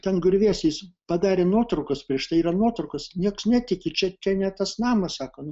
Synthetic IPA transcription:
t̪ʲɛnɡʊɾʲʋʲisʲɛspɐd̪ɑːɾʲeːnuɔt̪ɾɐʊkɐspʲɾʲiɛʃt̪ɐɪiːrɐnuɔt̪ɾɐʊkɐsnʲiɛksnʲæt̪ʲɪkʲɪt͡ʃʲɛt͡ʃʲɛnʲɛt̪ɐsnɑːmɐssɑːkoːnʊ

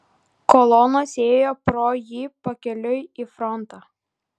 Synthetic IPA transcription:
kɔlˠɔnoːsʲeːjoːpɾoːjiːpɐkʲɛlʲʊjiːfɾɔnt̪ɑː

